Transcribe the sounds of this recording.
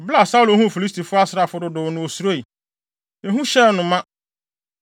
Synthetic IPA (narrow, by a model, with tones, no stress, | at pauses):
bla˦˨sa˦wu˦lo˨˦hũ˦˨fi˨li˦s̬tʰi˨fʊ˦a˦sɾa˨fʊ˦dʊ˦dʊ˨nʊ̃˨o˨su˨ɾo˦i˨ | e˨ɦũ˦ɕɛ˦nʊ̃˨mã˦